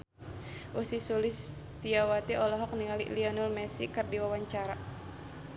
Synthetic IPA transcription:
ʔusisulis | t̪iawat̪iɔlɔɦɔk̚niŋalḭʔliɔnɔlmɛsikɨrdiwawaɲt͡ʃaɾa

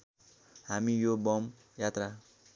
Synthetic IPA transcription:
ɦamijobʌm | jat̪ra

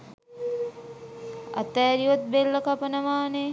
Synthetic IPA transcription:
ɐ̰t̪aːɾiʋɐt̪̚belːɐkɐpənəʋaːne

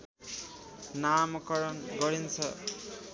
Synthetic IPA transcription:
namkʌɾʌnɡʌɾint͡sʰʌ

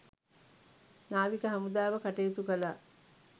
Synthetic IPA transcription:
naːʋikəɦamud̪aːʋəkaʈejut̪ukəla

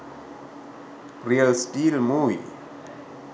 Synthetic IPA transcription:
riəlsʈilmuḭ

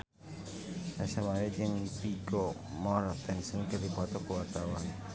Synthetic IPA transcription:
nasamaɾɛd͡ʒəŋpiɡomɔɾɔt̪ɛnsənkərd̪ipɔt̪ɔkəwart̪awan

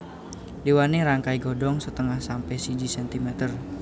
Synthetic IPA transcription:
diwaneɾaŋkaiɡɔdɔŋsət̪əŋahsampɛsidisɛnt̪imɛt̪ər

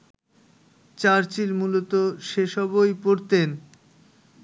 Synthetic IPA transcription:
t͡ɕaɾt͡ɕilmulot̪oʃeʃɔbojpoɾt̪en

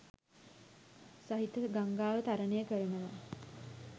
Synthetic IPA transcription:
saɦit̪əɡaŋɡaːʋət̪aɾənejəkəɾənəʋa

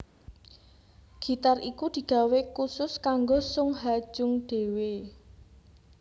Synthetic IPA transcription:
ɡ̥i̤t̪arʔikud̪̥i̤ɡ̥ä̤wekusʊskaŋɡosʊŋɦad̥ʒ̥ʊŋɖ̥e̤we

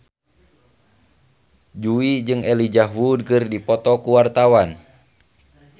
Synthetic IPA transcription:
d͡ʒuid͡ʒɨŋɛlid͡ʒaɦwudkɨrdipɔt̪ɔkuwart̪awan

